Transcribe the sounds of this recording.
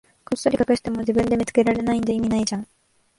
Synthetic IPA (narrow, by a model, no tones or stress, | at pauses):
kosːoɾʲikakɯ̟ɕi̥t̪e̞mod͡ʑibɯ̟̃nd̪e̞mʲit͡sɨ̥ke̞ɾaɾe̞naĩnd̪eimʲinaid͡ʑãŋ̃